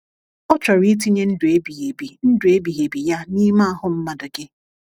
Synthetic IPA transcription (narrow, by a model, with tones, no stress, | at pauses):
ɔ˦t͡ʃɔ˨ɾi˦t̬i˦ɲe˦n̩˦dʊ˨e˦bi˨ɦe˨bi˨n̩˦dʊ˨e˦bi˨ɦe˨bi˨ja˦ni˦ma˦a˦ɦʊ˦m̩˦ma˨dʊ˨ɡɪ˦